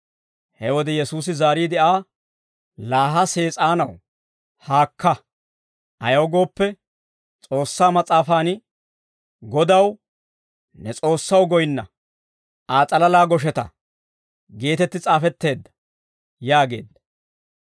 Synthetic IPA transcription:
hɛwɔd̪ɛjɛsuːs̬ɪzaːɾiːd̪ɪʔaː | laːɦɐse̞ːt͡sʼaːnɐw | haːkːɐ | ʔɐjɐwɡo̞ːpːɛ | t͡sʼo̞ːsːaːmɐt͡sʼaːfaːn | ɡɔd̪ɐw | nɛt͡sʼo̞ːsːɐwɡɔjnːɐ | ʔaːt͡sʼɐlɐlaːɡɔʃ̬ɛt̪ɐ̰ | ɡe̞ːt̪ɛt̪ːɪt͡sʼaːfɛt̪ːe̞ːd̪ːɐ̥ | jaːɡe̞̰ːd̪ːɐ̥

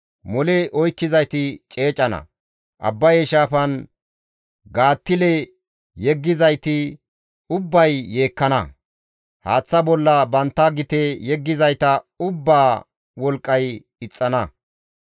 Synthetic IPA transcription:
mɔlɛʔɔjkːɪzɐjt̪ɪt͡ʃʼe̞ːt͡ʃʼːɐnɐ̰ | ʔɐ̰bːɐjɛʃaːfɐn | ɡaːt̪ːɪlɛ | jɛɡːɪzɐjt̪ɪ | ʊbːɐjːe̞ːkːɐnɐ̰ | haːt͡sːɐbɔlːɐbɐnt̪ːɐɡɪt̪ejɛɡːɪzɐjt̪ɐʊbːaː | wɔlkʼːɐj | ɪt͡sʼːɐnɐ

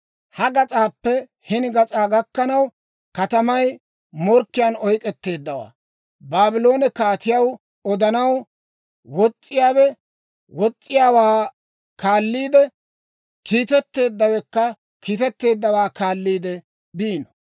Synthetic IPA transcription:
hɐɡɐt͡sʼaːpːɛ | hɪnɪɡɐt͡sʼaːɡɐkːɐnɐw | kɐt̪ɐmɐj | mɔɾkːɪjaːnɔjkʼɛt̪ːe̞ːd̪ːɐwa̰ː | baːbɪlo̞ːnɛkaːt̪ɪjɐw | ɔd̪ɐnɐw | wɔt͡sʼːɪjaːwɛ | wɔt͡sʼːɪjaːwaː | kaːlːiːd̪ɛ | kʰiːt̪ɛt̪ːe̞ːd̪ːɐwɛkːɐ | kiːt̪ɛt̪ːe̞ːd̪ːɐwaːkaːlːiːd̪ɛ | biːnɔ

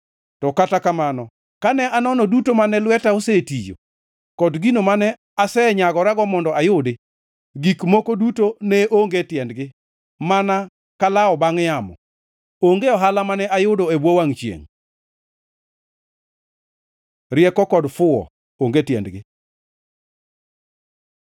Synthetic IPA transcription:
tɔkatakamanɔ | kanɛanɔnɔdutomanɛlwɛtaosetid͡ʒo̰ | kɔdɡinomanɛ | asɛɲaɡɔɾaɡɔmɔndɔajʊdɪ | ɡikmokodutonɛʔoŋɡetjɛndɡɪ | mana | kalaɔbaŋjamɔ̰ | oŋɡeɔɦalamanɛajʊdoebwowaŋt͡ʃjḛŋ | ɾjɛkɔkɔdfʊɔ̰ | oŋɡetjɛ̰ndɡɪ

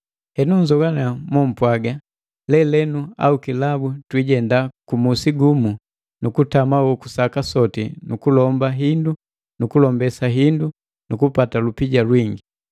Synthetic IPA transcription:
hɛnuɲd͡ʒɔɡanamwɔm̩pwaɡa | lɛlɛnua̰ukilabutwiɟɛndakumusiɡumu | nukutamawɔkusakasɔtḭnukulɔmbaɦindu | nukulɔmbɛsaɦindu | nukupatalupiɟalwiŋɡi

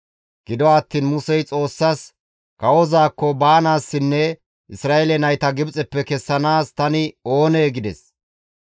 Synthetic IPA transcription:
ɡ̥ɪd̪ɔaːt̪ːiːnmʊsɛjt͡sʼo̞ːsːas | kɐwɔzaːkːɔbaːnaːsːɪnːɛ | ʔɪsɾaːʔɛlɛnɐjt̪ɐɡɪbt͡sʼɛpːɛkɛsːɐnaːst̪ɐnɪo̞ːneːɡɪd̪ɛs

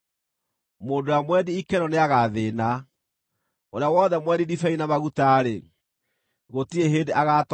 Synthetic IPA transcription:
moːndoamwɛdiikɛnɔneaɣaðena | oɾeawɔðɛmwɛdidifainamaɣutaɾe | ɣotieɦeːndeʔaɣat

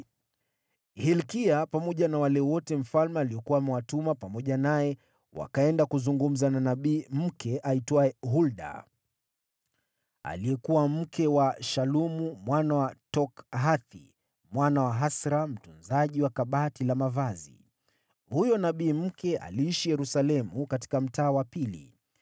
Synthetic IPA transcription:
hilkiapamɔʄanawalɛwɔtɛm̩falmɛaliɔkuwamɛwatumapamɔʄanajɛ | wa̰kaɛndakuzuŋɡum̩zananaɓiːm̩kɛʔaitwaɛɦulɗa̰ | a̰lijɛkuwam̩kʰɛwaʃalumumwanawatɔkɦaθḭ | mwanawaɦasɾam̩tunzaʄiwakaɓatilamavazḭ | hujɔnaɓiːm̩kɛa̰liiʃijɛɾusalɛmukati̥kam̩taːwapilḭ

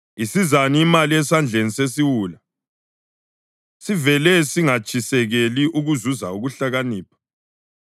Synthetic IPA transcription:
isizaniimaliɛsand͡ɮʱenisesiwuːla | sivɛlɛsiŋat͡ʃʼisɛɣeliʔuɣuzuzauɣuɬaɣaniːpʰḁ

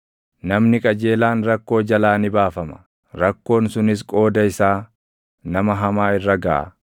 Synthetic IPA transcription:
nɐmnɪkʼɐd͡ʒe̞ːlaːnɾɐkːo̞ːd͡ʒɐlaːnɪbaːfɐmɐ̥ | ɾɐkːo̞ːnsʊnɪs̬kʼo̞ːd̪ɐɪsaː | nɐmɐɦɐmaːɪrːɐɡɐʔɐ̰

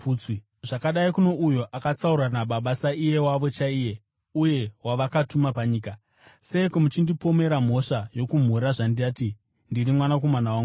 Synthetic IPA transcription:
i | ʐakaɗaikuno̞ʔujo̞ʔakat͡sauɾanaɓaɓasaije̞waʋo̞t͡ʃaiːje̞ | uje̞waʋakatumapaɲiːka | se̞komut͡ʃindipo̞me̞ɾam̤o̞ʂajo̞kum̤urɾaʐandiati | ndirimwanako̞manawaŋɡ

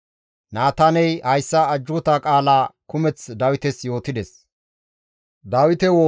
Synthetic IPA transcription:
naːt̪anɛjhɐjsːɐɐd͡ʒːʊt̪akʼaːlaːkʊmɛt͡sd̪ɐwɪt̪ɛsjo̞ːt̪ɪd̪ɛs | d̪aːwɪt̪ɛwoː

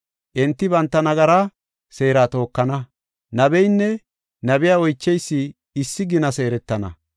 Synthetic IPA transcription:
ʔɛnt̪ːɪbɐnt̪ːɐnɐɡɐɾa | se̞ːɾaːt̪o̞ːkːɐnɐ | nɐbɛjnːɛ | nɐbɪjaːɔjt͡ʃːɛjsːɪ | ɪsːɪɡɪnɐse̞ːɾɛt̪ːɐnɐ̰

